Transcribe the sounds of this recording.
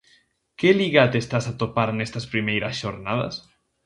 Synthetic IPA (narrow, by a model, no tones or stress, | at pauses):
keliɣat̪est̪asat̪opaɾenest̪aspɾimejɾasʃoɾnaða̰s